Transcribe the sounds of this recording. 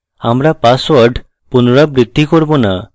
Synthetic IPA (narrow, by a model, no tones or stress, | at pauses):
amɾapaswəɾɖ | punoɾabɾid̪ʱːikɔɾbona